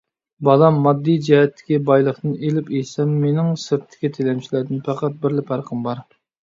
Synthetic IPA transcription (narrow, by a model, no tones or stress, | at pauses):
bɑlˠɑmːɑd̪ːijd͡ʒɛɦɛt̪ʰːɪ̥kʲibɑjlˠəχt̪ɨnelɪpesɛmːenɪŋsɨɾt̪ʰːɪ̥kʲit̪ʰelɛmt͡ʃʰilæɾd̪ɪnpʰæqæt̪̚bɪɾlɪpʰæɾqʰəmbɑɾ